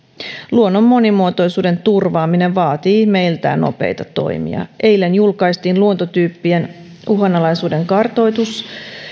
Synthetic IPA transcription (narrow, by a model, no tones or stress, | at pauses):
luo̞nːomːo̞nimuot̪o̞jsuːde̞nt̪urʋɑːmine̞ʋʋɑːt̪iːme̞jlt̪æ̰ːno̞̰pe̞̰jt̪ɑt̪o̞̰jmḭɑ̰ʔe̞jlːenjulkɑjst̪iːnluo̞nt̪ot̪yːpːien | uɦɑnːɑlɑjsuːde̞ŋkɑrt̪o̞jt̪us